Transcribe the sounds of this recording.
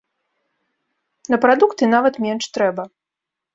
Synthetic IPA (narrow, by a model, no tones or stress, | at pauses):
nɐpɾad̪ukt̪ɨnavɐt̪mʲɛnʂt̪ɾɛbɐ